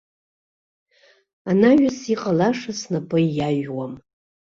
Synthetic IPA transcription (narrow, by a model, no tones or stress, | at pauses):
anaɥᶣʊsiqʼalaʂasnapʼɨjaʒwam